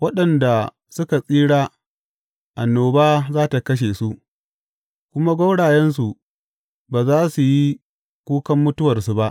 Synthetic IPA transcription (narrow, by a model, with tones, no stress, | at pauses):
wɐ˦ɗɐ˨nda˨ | sʊ˦ka˨sʼiː˦ɽaː˦ | ʔa˨nːoː˨baː˦zaː˦ta˨kɐ˦ʃ̬e˨su˦ʔ | kʷʊ˦ma˦ɡʷa˦ɽaː˨jɛ˦nsu˨ | baː˨zaː˦su˨ji˦ | kʷuː˦kɐ˦mːʊ˦tʊ˦wɐ˨rsu˨ba˦ʔ